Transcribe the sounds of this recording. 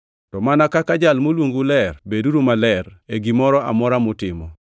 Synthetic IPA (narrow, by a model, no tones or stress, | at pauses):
tɔmanakakad͡ʒalmolwoŋɡulɛrbeduɾumalɛreɡimɔɾɔʔa̰mɔɾamʊtɪmɔ̰